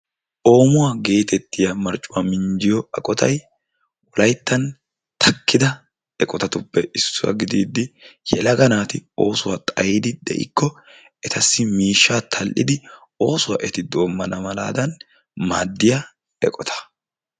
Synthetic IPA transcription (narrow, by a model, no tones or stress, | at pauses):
ʔo̞ːmʊwaɡe̞ːt̪ɛt̪ːɪjɐmɐɾt͡ʃʼːʊwamɪɲd͡ʒɪjɔɐkʼɔt̪ʰɐ̰j | wɔlɐjt̪ːɐn | t̪ʰɐkːɪd̪ɐ | ɛkʼɔt̪ɐt̪ʊpːɛʔɪsːʊwɐ̰ɡɪd̪iːd̪ːɪjɛ̰lɐɡɐnaːt̪ɪo̞̰ːsʊwat̪ʼɐjiːd̪ɪd̪ɛ̰ʔɪ̰kːɔ | ɛt̪ʰɐsːɪmiːʃːaːt̪ʰɐlʔɪ̰d̪ɪ | o̞ːsʊwa̰ʔɛt̪ɪd̪o̞ːmːɐnɐmɐla̰ːd̪ɐn | maːd̪ːɪja | ɛkʼɔt̪ʰɐ̥